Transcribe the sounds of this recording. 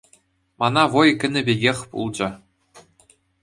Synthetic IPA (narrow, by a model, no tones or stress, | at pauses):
mɑnɑʋojkʲɘ̆nʲɘ̆bʲĕɡʲexʲpṵlˠd͡ʑɘ̆